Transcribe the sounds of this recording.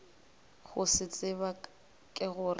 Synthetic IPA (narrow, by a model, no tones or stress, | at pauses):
ɣʊsɪt͡sʼɪβa | kʼɪɣʊr